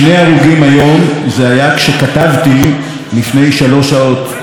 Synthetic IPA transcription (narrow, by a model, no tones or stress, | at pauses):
nejaʁuɡimajo̞mzeajakʃe̞katavti | lifne̞jʃalo̞ʃao̞t